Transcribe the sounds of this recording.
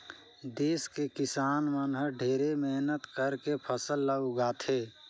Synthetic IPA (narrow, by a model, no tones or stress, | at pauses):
d̪eːskekɪsaːnmənɦəɾɖʱeːɾemeɦnət̪kəɾkepʰəsəlːəɡaːt̪ʰeː